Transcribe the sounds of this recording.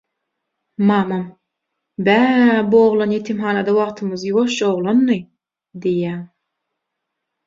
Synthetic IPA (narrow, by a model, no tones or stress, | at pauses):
mɑːmɑm | bæːboːʁlˠɑnjet̪ʰimɦɑnɑd̪ɑwɑʁt̪ʰɯmɯzjwoʃoʁlˠɑnːɯ | d̪ijæːm